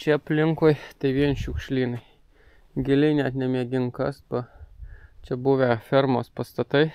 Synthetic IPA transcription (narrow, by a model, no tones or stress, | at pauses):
t͡ʃʲɛɐpʲlʲɪŋkojt̪ɐɪʋʲiɛnʲʃʲʊkʃʲlʲiːnɐɪ | ɡʲɪlʲɪɪnʲɛt̪nʲɛmʲiɛɡʲɪŋkɐsbɐ | t͡ʃʲɛbʊʋʲɛfʲɛɾmoːspɐst̪ɐt̪ɐɪ